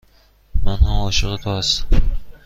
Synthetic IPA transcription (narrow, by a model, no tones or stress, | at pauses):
manhamɒʃɨʁɨt̪ʰɒas